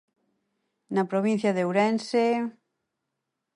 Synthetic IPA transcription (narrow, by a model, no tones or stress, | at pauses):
napɾoβin̟θjaðewɾɛnse